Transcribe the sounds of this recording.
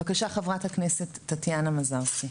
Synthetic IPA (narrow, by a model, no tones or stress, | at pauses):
vakaʃaχavʁathaknesetːatjanamazaʁsi